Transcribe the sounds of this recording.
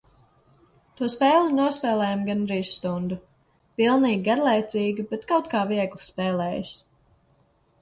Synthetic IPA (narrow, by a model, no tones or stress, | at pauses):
t̪uɔspɛːlˠinuɔspɛːlˠɛːjamɡanɾiːsːt̪und̪u | pilˠniːɡʲɡaɾlˠɛjt̪siːɡʲibɛt̪kawt̪kaːviɛɡlˠispɛːlɛːjas